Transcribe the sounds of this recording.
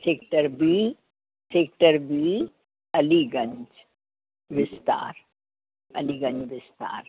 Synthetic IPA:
seːkʈəɾbi | seːk̚ʈəɾbi | ɐliɡɐ̃ɲd͡ʒ | ʋɪst̪a̰ːɾ | ɐliɡə̃ɲd͡ʒʋɪst̪a̰ːɾ

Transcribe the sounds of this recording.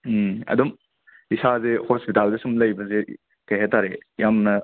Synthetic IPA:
ɐ̰dum | isazehospitaldesumlɐjbɐze | kɐjɦetaɾejamnɐ

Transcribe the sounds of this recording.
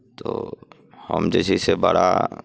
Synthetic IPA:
t̪o | həmd͡ʒəsisebəɽa

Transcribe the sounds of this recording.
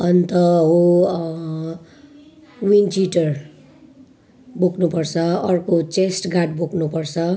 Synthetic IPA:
ʌnt̪ʌɦo | wint͡ʃiʈʌr | buknupʌrt͡sʰʌʌrkot͡sesʈɡaʈ̚buknupʌrt͡sʰʌ

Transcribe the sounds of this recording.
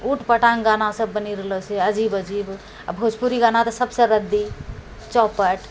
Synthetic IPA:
uʈpəʈaŋɡanasəbːəniɾələt͡ʃʰɛəd͡ʒibəd͡ʒib | abʱod͡ʒpuɾiɡanat̪əsəbsə̃ɾəd̪ːi | t͡ʃɔpəʈ

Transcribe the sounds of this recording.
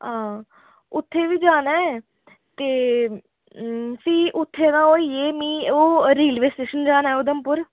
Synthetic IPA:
ɦãː | ʊt̪ʰːeːʋiːd͡ʒaːnaːɛː | t̪eː | siːʔʊt̪ʰːeːnãːoːiːeːmĩːoːɾeːlʋeːsʈeːʃənd͡ʒaːnaːɛːʊd̪əmpʊɾ

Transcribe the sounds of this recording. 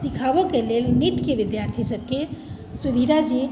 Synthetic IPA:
sɪkʰaʋəkelelniʈkeʋɪd̪jaːɾt̪ʰisəb̚ke | sud̪ʱiɾad͡ʒi

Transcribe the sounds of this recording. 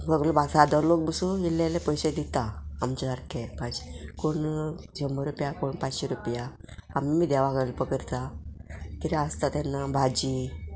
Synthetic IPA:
bəɡlobʱasad̪əɾlok̚bəsuilːelepəjsed̪it̪aːmt͡ɕad̪aɾkʰepaekoɳd͡ʑəməɾupjakoɳpat͡sɕeɾupjaː | mːiːd̪ɛʋakəɽlpəkəɾt̪a | t̪iɾiast̪at̪ɛnːabʱad͡ʑi

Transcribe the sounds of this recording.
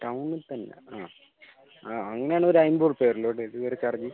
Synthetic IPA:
ʈɐwnːɨlt̪ɐnːḛaː | aːɐŋːɐnejaːɳɨoɾuɐjmboːɖpeːriloːɽɨiðɨʋɐɾet͡ɕːɐrɐɲːi

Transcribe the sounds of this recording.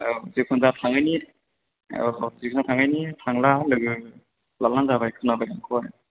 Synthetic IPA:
zikʰɔnzatʰaŋajni | zikʰunzatʰaŋajnitʰaŋlalɯɡɯ | lalːaŋzabajkʰɯnabajɾaŋkʰɔj

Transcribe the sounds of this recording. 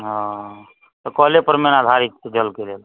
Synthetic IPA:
ɦɔ̃ | t̪ɔkɔɦlepəɾmenad̪ʱaɾik̚t͡ʃed͡ʒəlkelel

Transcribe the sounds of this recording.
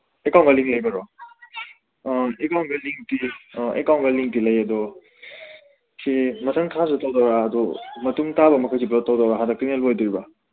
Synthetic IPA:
ekaw̃nɡaliŋlɐjbaɾɔ | ekaw̃nɡaliŋtiḛkaw̃nɡaliŋtilɐjɐdɔ | sʰimɐsʰaŋkʰasutawdawɾaːdɔmɐtumtabɐmɐkʰajsiblɔtːawdawɾaɦadak̚tiŋelbɔjdiɾiba

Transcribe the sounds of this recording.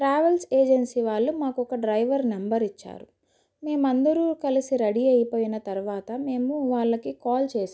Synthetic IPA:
ʈɾaːʋɐlseːd͡ʒɐnsiʋaːɭːumaːkɔkɐɖɾɐjʋɐɾnɐmbɐɾit͡ʃːa̰ːɾu | me̞ːmɐnd̪ɐɾuːkɐlisiɾɐɽiɐjɐpoːjinɐt̪ɐɾuʋaːt̪ɐme̞ːmuʋaːɭːɐkikaːlt͡ʃeːs

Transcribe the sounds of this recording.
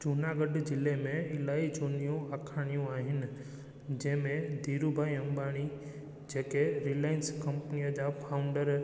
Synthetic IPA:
t͡ʃunaːɡəɖd͡ʒɪlemẽɪlaːid͡ʒoːnijũakʰaːɽ̃ijũaːɦɪnɪ̆ | d͡ʒɐ̃ɦɪ̃mẽd̪iːɾubʱaːiɐ̃mbaːɽ̃i | d͡ʒeːkeɾilaːɪnskɐ̃mpnijəd͡ʑapʰaːʊ̃ɳɖəɾ

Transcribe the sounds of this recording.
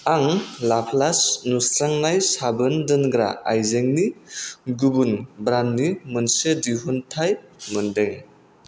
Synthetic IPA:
aŋlapʰlasnusɾaŋnajsabɯndɯnɡɾa̰ajzeŋniɡubunbɾanːimɯnsediɦuntʰajmɯndeŋ

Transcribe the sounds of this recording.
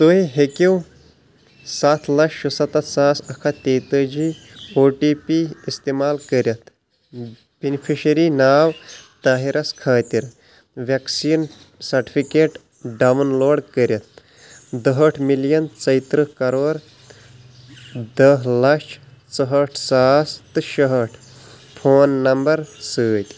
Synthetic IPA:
t̪oiɦekʲiw | sat̪ʰlɐkʂusɐt̪ɐsaːsɐkʰat̪eːt̪əd͡ʒi | oːʈiːpiːst̪eːmaːlkəɾjɐt̪ | b̥inpʰiʃɐɾinaːwt̪aːɦiɾɐskʰaːt̪iɾ | ʋɐksiːn | sɐɾʈi̥pʰikeːʈ | ɖɐʋnloːɖkəɾʲjɐt̪̚ | d̪ɐɦɐʈʰmilijɐnt͡sɐjt̪ɾɨkɐɾoːɾ | d̪ɐɦlɐt͡ʃʰt͡sɐɦɐʈʰsaːst̪ɨʃɐɦɐʈʰ | pʰoːnːɐmbɐɾsəːt̪ʲ

